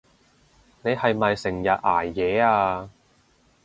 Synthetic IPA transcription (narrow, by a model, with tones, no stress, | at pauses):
ne˨˧jhɐ˨jmɐ˨jsɪ˨˩ŋjɐ˨t̚ʔaː˨˩jːɛː˨˧aː˧